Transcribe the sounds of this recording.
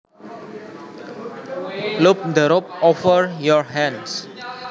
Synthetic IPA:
lup̚d̪əɾɔp̚ɔfəɹjɔɹɦɛ̃ns

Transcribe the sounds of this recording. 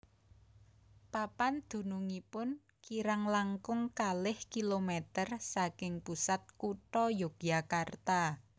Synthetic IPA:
papand̪̥ṳnuŋipʊn | kiɾaŋlaŋkʊŋkalɪhkilomɛt̪ərsakɪŋpusat̪̚kuʈɔjoɡ̥jakart̪a

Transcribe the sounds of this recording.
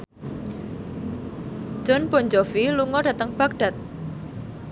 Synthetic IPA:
ʒ̥ɔ̤nb̥ɔ̤ɲd͡ʒɔfiluŋɔɖa̤t̪əŋb̥a̤k̚ɖ̥a̤t̪̚

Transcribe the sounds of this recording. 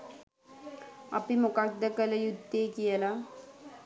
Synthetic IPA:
ɐpimukak̚d̪əkələjud̪ːeːkijəla

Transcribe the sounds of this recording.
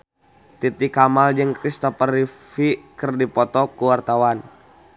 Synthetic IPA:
t̪it̪ikamald͡ʒɨŋkɾist̪ɔpaɾifikɨrdipɔt̪ɔkuwart̪awan

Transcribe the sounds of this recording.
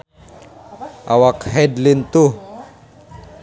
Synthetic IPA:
ʔawakhɛd̪lint̪u

